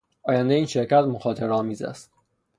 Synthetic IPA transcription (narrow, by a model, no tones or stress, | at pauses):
ʔɒːjænd̪ejiːnʃe̞ɾcʰæt̪moxɒːt̪ʰe̞ɾɒːmiːzæ̰st̪